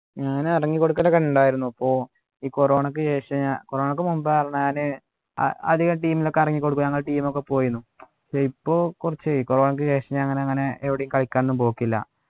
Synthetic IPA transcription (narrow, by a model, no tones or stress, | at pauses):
ɲaːnɐrɐŋːikːo̞ɽukːɐlːɐkɐɳːuɳɖaːjiɾunːuɐpːo̞ː | iːkoro̞ːɳɐk̬ːɨt͡ɕe̞ːʂɐɲakoro̞ːɳɐkːɨmumbarɐɳɲaːnɨ | ɐ̰ɐ̰d̪iɣɐmʈiːmilo̞kːeɐrɐŋːikːo̞ɽukːumɲɐŋːɐɭʈiːmo̞kːe̞po̞ːjunːu | ɐkʂeipːo̞ːkurit͡ɕːɨiːkoroːɳɐk̬ːɨt͡ɕe̞ːʂɐɲaːnɐŋːɐneɐŋːɐne̞ʔeʋiɽejumkɐɭikʲːaːnenːumpo̞ːkːilːɐ̰